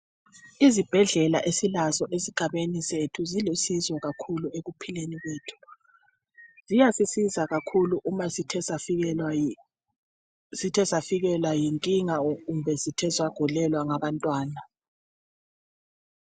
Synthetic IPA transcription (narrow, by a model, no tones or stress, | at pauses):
izib̥ʱɛɮɛla̰ʔesilazɔʔesiɡ̥ʱaβenisetʰuzilosizwɔɣakʰulueɣupʰileniβeːtʰu̥ | z̥ijasisizaɣakʰuluʔuma | zitʰɛsafiɣɛlwajiŋkʼiŋaɣumbʱɛzitʰɛzwaɡ̥ʱulɛlwaŋaβantʼwaːna